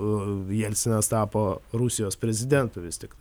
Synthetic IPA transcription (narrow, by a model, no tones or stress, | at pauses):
jɛlʲsʲɪnʲɐst̪ɑːpoːɾusʲɪjoːspʲɾʲɛzʲɪd̪ʲɛnt̪ʊʋʲɪst̪ʲɪkt̪